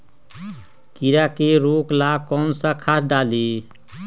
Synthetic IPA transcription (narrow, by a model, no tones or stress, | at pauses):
kiɾakeɾoːklakɔnsəkʰat̪ʰɖaːli